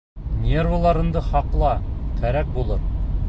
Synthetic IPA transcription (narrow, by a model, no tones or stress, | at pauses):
nʲerulˠɑɾɤ̆nd̪ɤχɑqlˠɑkʰæɾæk̚bulˠɤɾ